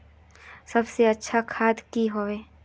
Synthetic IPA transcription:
sɐbseɐtːʃʰakʰaːd̪kiɦoeː

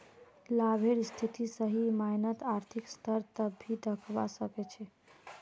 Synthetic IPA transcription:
labʱeɽst̪ʰit̪isəɦimajnət̪aɾt̪ʰikst̪ʰəɾt̪əbʱːid̪əkʰba̰səkɛt͡ʃʰɛ

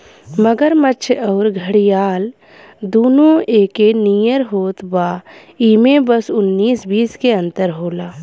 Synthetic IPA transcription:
məɡəɾmətːʃʰɔːɾɡʱəɽijaːl | d̪oːnõeːkenijəɾɦoːt̪baː | iːmẽbəsʊnːiːsbiːskeə̃nt̪əɾɦoːlaː

